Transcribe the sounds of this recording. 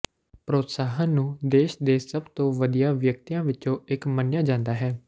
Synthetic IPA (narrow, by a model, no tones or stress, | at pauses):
pɾoːt̪saːɦəːnũːd̪eːʃd̪eːsəbt̪õːʋəd̪ijãːʋjək̚t̪ijãːʋɪt͡ʃõːɪkmənjaːd͡ʒãːnd̪aːɦɛː